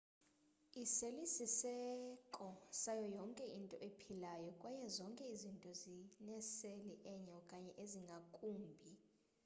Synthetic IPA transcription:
iselisisɛkʼɔsajɔjɔŋkʼɛʔintʼɔʔepʰilajɔkʼwajɛzɔŋkʼɛizintʼɔzinɛseliʔɛɲaɔkʼaɲɛʔeziŋɡʱakʼuːmbʱi

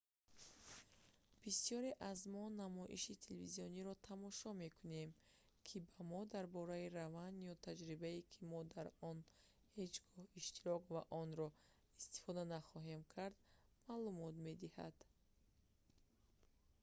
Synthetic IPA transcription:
b̥isijɔɾeʔazmɔnamɔʔḭʃit̪ʰeleviziɔniɾɔt̪ʰamɔʃɔme̞kʰunem | kʰibamɔd̪aɾbɔɾaiɾavand̪jɔt̪ʰad͡ʒɾibaikʰimɔd̪aɾɔn | he̞d͡ʒɡɔhiʃt̪iɾɔkvaʔɔnɾɔ | ist̪i̥fɔd̪anaχɔɦe̞mkʰaɾd̪maːlumɔt̪me̞d̪iha̰d̪̥

